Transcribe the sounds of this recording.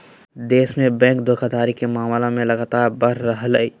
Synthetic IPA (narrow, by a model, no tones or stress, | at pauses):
d̪eːsmẽbɛ̃ːŋk̚d̪okəd̪aːɾikemaːmlõmẽlɐɡaːt̪aːɾbəɾːəɦləi